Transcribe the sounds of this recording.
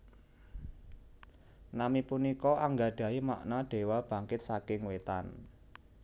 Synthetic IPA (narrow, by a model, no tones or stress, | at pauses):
namipunikɔaŋɡaɖ̥ä̤ima̰ʔnaɖ̪̥e̤wab̥ä̤ŋkɪt̪̚sakɪŋwet̪a̰n